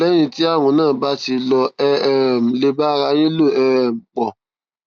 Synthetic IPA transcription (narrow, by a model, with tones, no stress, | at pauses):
ɛ˦j̃ĩ˧ti˦a˦˨w̃ɔ̃˨˧˦nãː˦˨ba˦ti˧lɔ˧ɛ˧˨m̩˨le˧ba˦ɾa˧j̃ĩ˦lo˦˨ɛ˧˦˨m̩˨k͡pɔ˨